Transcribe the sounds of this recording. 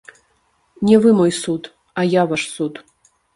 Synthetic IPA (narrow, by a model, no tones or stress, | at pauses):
nʲɛvɨmojsut̪ | ajavaʂsut̪